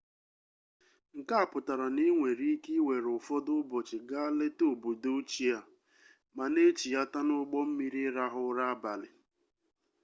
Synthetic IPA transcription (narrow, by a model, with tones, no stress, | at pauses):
ŋ̩˨ka˦a˦˨pʊ˨ta˨ɾa˨ni˦ŋʷe˨ɾi˦ki˦we˨ɾʊ˨fɔ˦dʊ˦bɔ˨t͡ʃɪ˨ɡa˦le˦to˦˨bu˨do˦t͡ʃi˦ja˦ | ma˨ne˦t͡ʃi˨ja˦ta˦nʊ˦ɡ͡bɔ˦m̩˦mi˦ɾi˦ɾa˦ɦʊ˦ɾa˦a˦ba˨lɪ˨